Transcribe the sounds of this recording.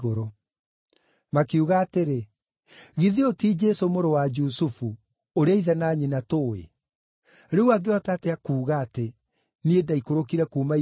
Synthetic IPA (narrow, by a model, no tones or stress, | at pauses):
ɣoɾo | makeuɣaːteɾe | ɣiðiotid͡ʒesomoɾowad͡ʒusufu | oɾeaiðɛnaɲinatoḛ | ɾeuaɡeɔtateakuːɣaːte | niedaikoɾokiɾɛkuːma